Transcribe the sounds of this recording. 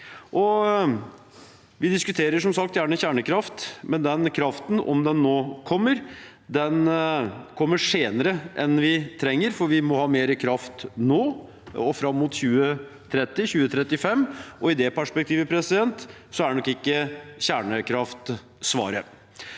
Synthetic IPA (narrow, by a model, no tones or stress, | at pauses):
ʔɔ | ʋɪd̪ɪskʉt̪ʰeːɾəʂɔmsɑk̚t̪jæːɳəçæːɳəkʰɾɑft̪mɛnd̪ɛnkʰɾɑft̪n̩ɔ̰md̪ɛnːoːkʰɔmːəɾ | d̪ɛn | kʰɔmːəʂeːnəɾəʔɛnʋɪt̪ʰɾɛŋːəɾfɔɾʋɪmɔhɑːmeːɾəkʰɾɑft̪noː | ɔfɾɑmːuːt̪ɕʉːə | t̪ʰɾɛt̪ːɪçʉːət̪ʰɾɛt̪ːɪfɛmːʔɔɪd̪ɛpʰæʂpɛk̚t̪ʰiːʋəpʰɾɛsɪd̪ɛnt̪ | sɔæɖɛnɔkːɪkːəçæːɳəkʰɾɑft̪ | sʋɑ̰ːɾə